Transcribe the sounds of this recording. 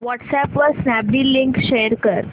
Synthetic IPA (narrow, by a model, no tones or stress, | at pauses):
ʋɔʈsæpʋɔɾsnæbɖiːliŋkʃeəɾkəɾ